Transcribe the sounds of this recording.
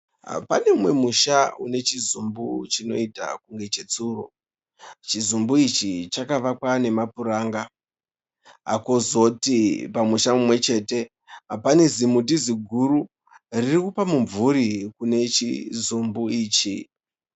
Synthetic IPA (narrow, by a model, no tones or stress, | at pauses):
ɦa̰pa̰ne̞mwe̞muʃaune̞t͡ʃizumbut͡ʃino̞̰ita̰kuŋɡe̞t͡ʃe̞t͡suro̞̰ | t͡ʃizumbuit͡ʃit͡ʃakaʋakwane̞mapuɾaːŋɡa | ɦa̰ko̞zo̞tipamuʃamumwe̞t͡ʃe̞ːte̞ | ɦapane̞zimutiziɡʱuɾu | ririkupamuɱvuɾikune̞t͡ʃḭzumbuiːt͡ʃḭ